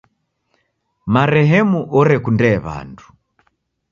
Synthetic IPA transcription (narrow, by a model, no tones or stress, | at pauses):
maɾɛɦɛmuʔɔɾɛkundɛːβa̰ndu̥